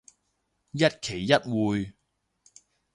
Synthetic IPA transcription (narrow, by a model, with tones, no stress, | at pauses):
jɐ˥t̚kʰe˨˩jːɐ˥t̚wuː˨˧j